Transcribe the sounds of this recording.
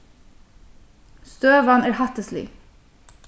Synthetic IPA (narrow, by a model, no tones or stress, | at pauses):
st̪øːʋɑnæːɹhɑt̪əslḭ